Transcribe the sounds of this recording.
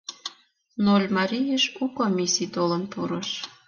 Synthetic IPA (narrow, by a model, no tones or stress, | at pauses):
nolʲmɑɾʲijəʃukomʲisit̪olənpuɾəʃ